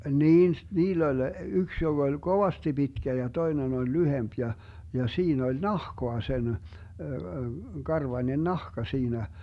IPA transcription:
niːn s niːlː olʲ yks joɡ̊ olʲ ɡ̊oʋɑsti b̥itkæ jɑ toinen olʲ lyhemp jɑ jɑ siːn olʲ nɑhkoɑ sen kɑrʋɑnʲen nɑhkɑ siːnæ

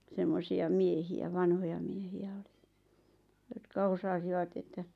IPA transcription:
semːosiɑ miehiæ ʋɑnhojɑ miehiæ oli̥ jotkɑ osɑsiʋɑt etːæ

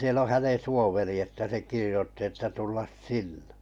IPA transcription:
siel o hænen̞ suoʋeri etːæ se kirĭjotːi etːæ tulːɑs sinːe̥

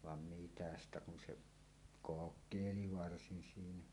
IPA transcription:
ʋɑn mitæ stæ kun se kokˑeˑili ʋɑrsin siːnæ

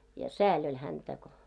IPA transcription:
jɑ sæːlʲ olʲ hæntæ ko

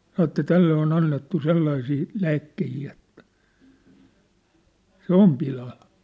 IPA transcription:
sɑnŏ ĕtːæ tælːe on ɑnːetːu selːɑisiː læːkːehiː et se om pilɑl

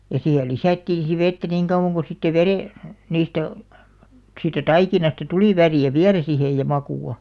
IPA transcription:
jɑ siːhe lisæˑtːiːn̞ si ʋetːæ niŋ kɑuw̆ɑŋ ko sitːe ʋereˑ niːstæ siːtːæ tɑikinɑstɑ tuliˑ ʋæriˑæ ʋiælæ sihej jɑ mɑkuˑɑ

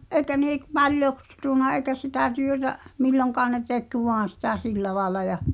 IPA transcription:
ʔeikæ neˑ k pɑljoks suˑnɑ eikæ sitæˑ tyøtæ milːoŋkɑːn ne tek ʋoɑn̞ sitæ silːæ lɑelɑ jɑ

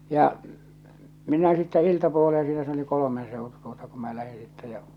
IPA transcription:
jɑ minæ sitːæ iltɑpuoleː siːnæ se oli kolomen seˑotu tuotɑ kum mæ læhi sitːɛ jæ

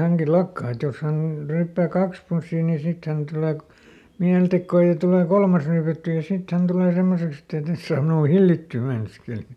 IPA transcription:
hæŋki lɑkːɑi et jos hæn ryːpːæː kɑks punsːiː niː sit tuleː ko miæltekːoː jɑ tuleˑ kolmɑs ryːpætːyː jɑ sit hæn tuleˑ semːoseks etː ei tes sɑːm minuː hilːitːyː meinɑskeli

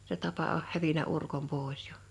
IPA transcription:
se tɑpɑ oh hæʋinæ urkom poˑe̞s j̊o̥

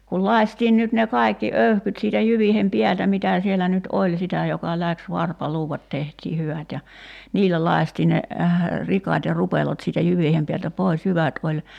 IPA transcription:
kul lɑi̞stiːn nyt ne kɑi̞kːi øyhkyt siːtæ jyʋiːhem piæltæ mitæˑ sielːæ nyt olʲ sitæ jokɑ læks ʋɑrpɑluːʋɑt tehtiː hyʋæt jɑ niːlːæ lɑi̞stiːn̆ ne rikɑt jɑ rupelot siːtæ jyʋiːhem piæltæ pois jyʋæt olʲ

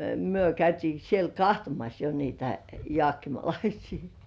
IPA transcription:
myø kæytiː siel kɑhtomɑs jo niːtæ joɑˑkːimɑlɑisiː

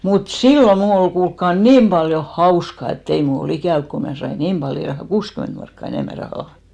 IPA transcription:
mut silːo mnuˑ ol kuːlkːɑ niːm pɑljo hɑuskɑ etː ei mul ol ikæˑʋ ko mnæˑ sɑi niːm pɑljo ihɑŋ kuːskyment mɑrkːɑ eneˑmæ rɑhɑˑ

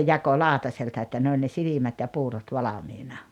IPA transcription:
jɑko lɑːŏtɑseltɑ etːæ ne olʲ ne silimæt jɑ puːrot ʋɑlɑmiːnɑ

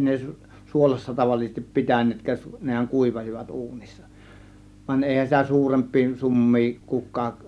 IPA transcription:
ne suolɑsːɑ tɑʋɑlːisestip pi̞tænˑeːtkæːʔ nehæŋ kuˑiʋɑsiʋɑt uːnisːɑ ʋɑnʲ eˑihæn sitæ suːrempˑiː sumːiː kukˑɑːk

